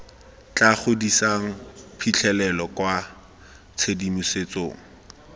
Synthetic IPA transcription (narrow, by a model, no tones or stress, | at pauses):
t͡ɬʼaχʊdisaŋ̩pʰit͡ɬʰɛlɛlɔkwa | t͡sʰedimuset͡soːŋ̩